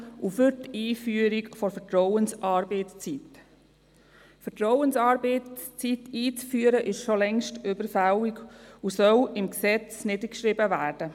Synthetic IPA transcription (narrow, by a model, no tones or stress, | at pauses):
ufʏɾtiːfyːəɾikfɔɾfətɾɔwənsʔɑːɾbɛɪt͡st͡sit̪ | fətɾɔwənsɑːɾbeɪt͡sitiːt͡sfyːəɾəʔɪʃʃolɛŋʃtʏbəɾfæliɡusœlɪmksɛt͡snɪdəkʃɾɪbəvæːɾd̥ə